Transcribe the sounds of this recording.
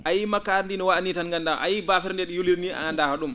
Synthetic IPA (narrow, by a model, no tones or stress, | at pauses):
ʔajimakːaɾndinɔwaanitanŋɡandaʔa̰jibafɛɾndɛɗijuliɾnia̰ɡandahaɗum